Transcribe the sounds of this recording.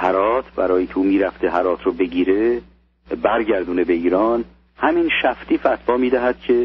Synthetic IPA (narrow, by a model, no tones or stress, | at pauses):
hæɾɒːt̪ʰbæɾɒːjit̪ʰuːmiːɾæft̪eɦæɾɒːt̪ʰɾobe̞ɟiːɾe | bæɾɟæɾd̪uːnebe̞iːɾɒːn | hæminʃæft̪iːfæt̪ʰbɒːmiːd̪æɦæd̪̥̚cʰe